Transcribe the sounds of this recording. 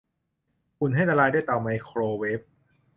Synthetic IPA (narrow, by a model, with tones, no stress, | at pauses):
kʰu˨˧˩nɦa˥˩jt̪a˧laː˧jda˥˩jt̪a˨˩wma˧jkʰɾoː˧we˦˥p̚